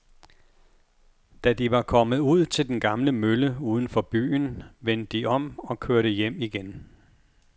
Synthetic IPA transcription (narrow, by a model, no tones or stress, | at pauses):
d̥æd̥iʋɑ̈kʰɒ̽məð̩ˠuð̞̰ˠt͡sʰe̝ld̥enɡ̥ɑ̈mləmøləuːð̞ˠən̩fɒ̽b̥y̰ːnʋen̰d̥ːiʔɒ̽mɒ̽kʰøɐɾəjem̰iɡ̥en